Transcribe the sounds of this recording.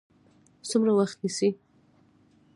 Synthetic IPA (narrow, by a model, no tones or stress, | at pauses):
sumɾawaxt̪nisi